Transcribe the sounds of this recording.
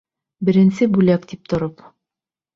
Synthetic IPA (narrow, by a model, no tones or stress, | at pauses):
bɘ̆ɾɘ̆nsɘbʉlæk̚t̪ip̚t̪ŏɾop